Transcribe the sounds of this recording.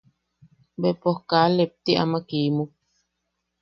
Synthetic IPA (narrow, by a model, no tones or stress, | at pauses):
bepohkalep̚t̪iʔa̰makimuk̚